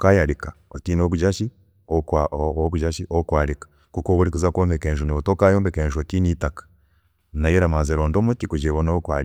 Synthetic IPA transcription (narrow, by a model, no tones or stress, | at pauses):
kajaɾikaotinokud͡ʒaʃi | okaokud͡ʒaʃiʔokwalikḁ | kukoβuɾikuzakwoːmbekeːʒuniβotokajombekeːnʒuotinitakḁ | najeɾamazeɾoːndomutikud͡ʒeβonokwa